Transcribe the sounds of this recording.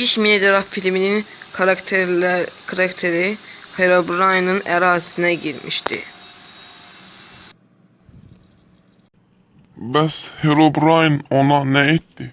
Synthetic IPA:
iʃmied̪eɾafilʲminin | kʰɾakt̪ʰeɾiheɾobɾajnɯnɛɾaːzi̥sinɛɟiɾmḭʃt̪ʰḭ | bɛsheɾobɾajnonɑnɛit̪ːi

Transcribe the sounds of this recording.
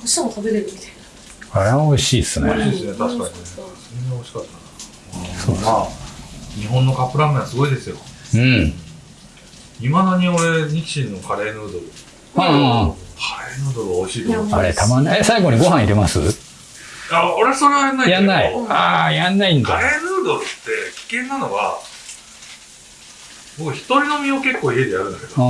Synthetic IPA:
oɕt̪amot̪abeɾeɾɯ̟mʲit̪ain | aɾemaoiɕiːsɨnoeḭɕiːsɨnet̪aɕikaɲine̥sɨneneo̞iɕi̥kat̪ːana | ɯsoːa | ɲ̟iɦõ̞nːo̞kapːɯ̟ɾamɯ̃asɨɡo̞id̪e̞sɨjo̞ɯ̟̃ | imad̪aɲ̟io̞ɾe̞ɲ̟ikʲi̥ɕĩnːokaɾe̞ːnɯːd̪o̞ɾɯ | ã | kʰaɾenɯ̟ːd̪o̞ɾɯ̟aoɕiːd̪esoa̰ɾḛt̪amanːesaiɡo̞ɲ̟iɡo̞ɦãɰ̃iɾemasɨ̰ | aoɾe̞so̞ɾeβajanːaijanːaiajanːaĩndk̪d̪aɾe̞nɯːd̪o̞ɾɯt̪ːe̞kʲi̥kẽ̞nːano̞ɡa̰ | bo̞kɯ̟çi̥t̪o̞ɾʲino̞mʲio̞ke̞kːo̞ːie̞d̪e̞jaɾɯ̟nd̪ake̞d̪oa

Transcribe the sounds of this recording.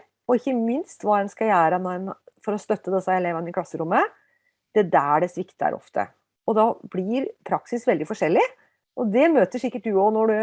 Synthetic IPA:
ɔɪçːəmɪnst̪ʋɑːɛnskɑjæːɾɑnoɛnfɔɾɔst̪œt̪ːəd̪ɛsːɑɛleːʋənəɪkʰlɑsːəɾʊmːə | d̪̥ɛd̪ææɖɛsʋɪkt̪æ̰ɾʔɔ̰ft̪ʰə̰ | ɔd̪ɑblɪɾpʰɾɑksɪsʋɛld̪ɪfɔʂɛlːɪ | ʔɔd̪ɛmøːt̪əʂɪkːəʈ̚d̪ʉɔnɔɖʉ

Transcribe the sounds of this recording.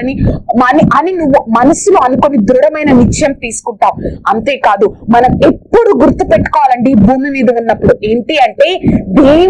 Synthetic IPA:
ɐnimɐniʔɐninuʋːumɐnɐsuluɐnukonid̪ɾuɽɐmɐjnɐnit͡ʃːjɐmt̪iːsu̥kuɳʈaːmɐnt̪e̞ːkaːd̪umɐnɐmepːuɽuɡuɾt̪ːupeʈːu̥kɔːʋaːlɐɳɖibʱuːmimiːd̪ɐʋunːɐpːuɽue̞ːɳʈiɐɳʈe̞ːd̪eː

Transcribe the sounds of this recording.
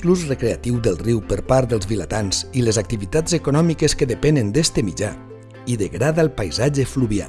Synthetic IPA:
lusrekɾeat̪iwd̪əlˠriwpəɾpaɾd̪əlˠzβilat̪anz̥iləzak̚t̪iβit̪azekunɔmikeskəðəpɛnənd̪est̪emid͡ʒa | iðəɣɾaðalˠpajzaʒefluβia̰

